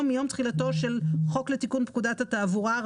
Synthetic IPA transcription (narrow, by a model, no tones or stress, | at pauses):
mːijo̞mt̪χilat̪o̞ʃelχo̞klet̪ikunpkud̪at̪hataːvuʁa